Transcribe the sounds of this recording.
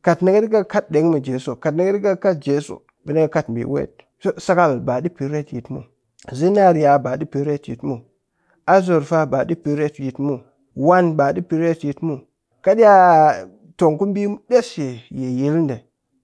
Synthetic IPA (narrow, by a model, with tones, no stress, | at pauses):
ka˨tna˦ɡe˦di˦ɡa˦ka˦t̚de˨˦ŋmi˨d͡ʒe˨so˨ka˨tna˦ɡe˦di˦ɡa˦ka˦t̚d͡ʒe˦so̰˨ | bi˨ni˦ɡa˦ka˦tm˨bḭ˨wḛ˦t̚ | sa˦ka˦˨lba˨di˦pi˨ɾe˦˨tji˨tmṵ˨ | zi˦n˦a˦ɾja˨ba˨di˦pi˨ɾe˦˨tjḭ˨tmu˨ | a˦zo˨ɾfa˦ba˨di˦pi˨ɾe˦˨tji˨tmu˦˨ | wa˦nba˨di˦pi˨ɾe˦tji˨tmu˨ | ka˦di˦ja˦ | to˨ŋku˦mbi˦de˦sje˨je˨ji˦lnde˨